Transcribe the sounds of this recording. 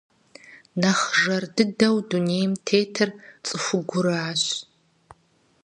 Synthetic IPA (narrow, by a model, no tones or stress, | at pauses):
nɐχʐɐrdɨdɐwduneːjmtʰeːtʰɐrt͡sʼɨxʷʊɡʷʊɾaːɕ